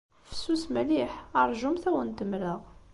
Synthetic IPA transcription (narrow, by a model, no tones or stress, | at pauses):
fə̥sːusmæliħəɾˤʒʊmθæwənt̪əmləʁ